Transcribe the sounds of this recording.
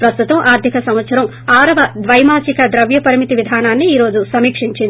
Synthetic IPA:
pɾɐst̪ut̪ɐmʔaːɾd̪ʱikɐsɐmʋɐt̪sɐɾɐm | aːɾɐʋɐd̪ʋɐjmaːt͡ʃikɐd̪ɾɐʋjɐpɐɾimit̪iʋid̪ʱaːnaːnːiːɾo̞ːd͡ʒusɐmiːkʂiɲt͡ʃind̪

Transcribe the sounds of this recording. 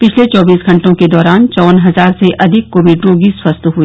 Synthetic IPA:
pɪt͡ʃʰlet͡ʃɔːbiːsɡɐ̃ɳʈõked̪ɔːɾaːnt͡ʃɔːnɦɐzaːɾseʔɐd̪ʱɪkːoːʋiɖɾõɡiswɐst̪ɦui

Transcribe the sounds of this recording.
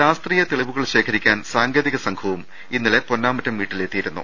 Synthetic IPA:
ɕaːst̪riːjɐt̪e̞ɭiʋuɣɐɭɕe̞ːkʰɐɾikʲːaːnsaːŋɡeːðiɣɐsɐŋkʰɐʋum | inːile̞po̞nːaːmɐtːɐmʋiːʈːile̞ːt̪ːijiɾunːṵ

